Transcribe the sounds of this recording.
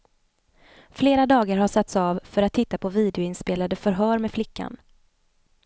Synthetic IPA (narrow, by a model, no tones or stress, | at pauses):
fleːɾad̪ɑːɡaɾhaʂat̪sɑvfœɾat̪ʰːɪt̪ːapʰɔviːd̪ɛʊɪnspeːlad̪əfœɾɦœːɾmɛflɪkʰːa̰n